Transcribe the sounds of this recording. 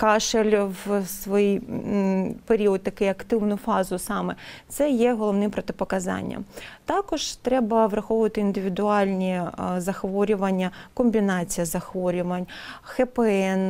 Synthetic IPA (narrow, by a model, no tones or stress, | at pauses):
kɑʃelʲʋsʋɔjij | peɾʲiɔd̪̚t̪ɐkɪjɐkt̪ɪwnʊfɑzʊsɑmɛt̪sɛjɛɦɔlˠɔʋnɪmpɾɔt̪ɪpɔkɐzɑ̰nʲːɐ̰t̪ɑkɔʒt̪ɾɛbɐʋrɐxɔʋʊʋɐt̪ɪind̪ɪʋʲɪd̪ʊɑlʲnʲizɐxʋɔɾʲʊʋɐnʲːɐkɔmʲbʲinɑt͡sʲijɐzɐxʋɔɾʲʊʋɐnʲxɛpeɛn